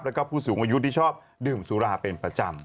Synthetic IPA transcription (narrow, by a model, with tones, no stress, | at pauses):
p̚lɛ˦˥kɔː˦˥˩pʰːuː˥˩suː˩˦ŋʔaː˧ju˦˥t̪ʰiː˥˩t͡ɕʰɔː˥˩p̚ | dɯː˨˩msu˨˦ɾaː˧˩pe˧npɾa˧t͡ɕa˧m